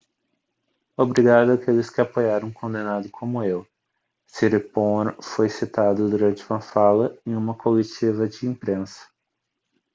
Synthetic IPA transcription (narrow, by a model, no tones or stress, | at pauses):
obɾiɡad̪ʊakelɪskɪapojaɾɐ̃w̃kõnd̪enad̪ʊkʰõmʊew | siɾipõɾfojsit̪ad̪ʊd̪uɾɐ̃nt͡ʃɪũmɐfalɐẽj̃ũmɐkolet͡ʃivɐd͡ʒɪĩmpɾẽsɐ̥